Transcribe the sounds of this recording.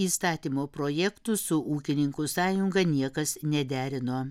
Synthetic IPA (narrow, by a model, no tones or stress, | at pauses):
iːst̪ɑːt̪ʲiːmoːpɾoːjɛkt̪ʊsʊʔuːkʲɪnʲɪŋkʊsɑːjʊŋɡɐnʲiɛkɐsnʲɛd̪ʲæːɾʲɪnoː